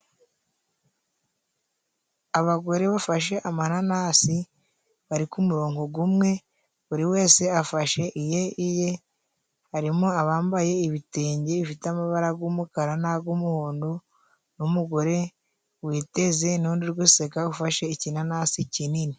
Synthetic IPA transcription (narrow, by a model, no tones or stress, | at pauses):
aβaɡo̞ɾe̞βafaʃe̞ʔamananasi | βaɾikumuɾoːŋɡoɡumŋe̞ | uɾiwe̞ːse̞afaʃe̞ʔije̞ije̞ | haɾimoaβaːmbaje̞iβiteːɲɟeβifiteamaβaɾaɡumukaɾanaɡumuhuːndu | numuɡo̞ɾe̞ | wiːte̞ze̞nuːndiɾɡusekaufaʃe̞icinanasicinini